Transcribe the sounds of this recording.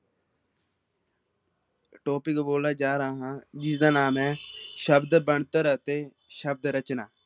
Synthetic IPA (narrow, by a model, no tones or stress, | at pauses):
ʈoːpɪkboːlaːd͡ʒaːɾaːɦãːd͡ʒɪsd̪aːnaːmɛːʃəbd̪bəɳt̪əɾt̪eː | ʃəb̚d̪ɾət͡ʃnaː